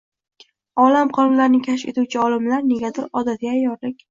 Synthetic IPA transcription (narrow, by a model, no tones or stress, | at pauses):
ɒlamqʰɒlˠmlaɾnɪkʲʰaʃe̞̰t̪uwt͡ʃʰɪɒlɪmlaɾne̞ɡʲat̪ʰɪɾɒd̪at̪ɡʲaːjɒɾlɪkʲ